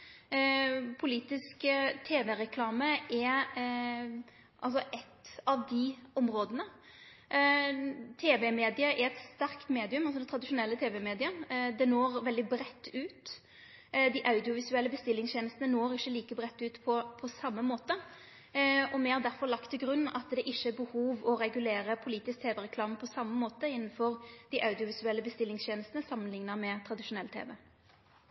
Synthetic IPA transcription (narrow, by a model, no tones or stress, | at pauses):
pʰʊliːt̪ɪskt̪ʰeːʋɛɾɛkʰlɑːməʔɛ | ʔɑ̰ls̬ɔʔɛt̪ːɑʋd̪ɪɔmɾoːd̪ənə | t̪ʰeːʋɛmeːd̪ɪəʔɛɾɛt̪st̪æɾkt̪meːd̪ɪʉmɑlsɔd̪ɛnt̪ʰɾɑd̪ɪʂʊnɛlːət̪ʰeːʋɛmeːd̪ɪəd̪ɛnoːɾʋɛld̪ɪbɾɛt̪ːʉːt̪ | d̪ɪʔɑʉd̪ɪʊʋɪsʉɛlːəbəst̪ɪlːɪŋsʰeːnəst̪ənənoːɾɪçːəliːkəbʁɛt̪ːʉːt̪pʰɔpʰɔsɑmːəmoːt̪ə | ɔmɛɑɾd̪æɾfɔɾlɑkt̪ʰːɪlɡɾʉnːɑt̪d̪ɛʔɪʃːəbəhuːʋɔɾɛɡʉleːɾəpʰʊliːt̪ɪsk̚t̪ʰeːʋɛʁɛkʰlɑːmpʰɔsɑmːəmoːt̪əɪn̩ːfɔʁd̪ɪʔɑʉd̪ɪʊʋɪsʉɛlːəbəst̪ɪlːɪŋst̪jeːnəst̪nəsɑmːənlɪŋnəmɛt̪ʰɾɑd̪ɪʃʊnɛlːt̪ʰḛːʋɛ